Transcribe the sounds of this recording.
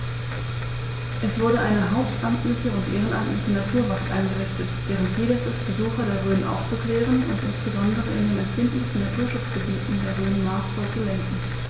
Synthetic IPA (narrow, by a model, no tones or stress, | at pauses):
ʔɛsv̥ʊɐdəʔaɪnəɦaʊp̚tʔamtlɪçəʊntʔeːʁənʔa̰mtlɪçənatʰuːɐvaksʔa̰ɪnɡəʁɪçtətvɛːʁ̞əntz̥iːdəsəsb̥əzuːxɐdeːɐʁøːnənʔa̰ʊft͡sukl̥ɛːʁənʊ̰ntʔɪnsb̥əzɔndəʁəɪndeːmɛmfɪndn̩tn̩natʰuːɐʃʊt͡sɡ̥əbiːtn̩deːɐʁøːnənmaːsfoːɐt͡sulɛŋkŋ̩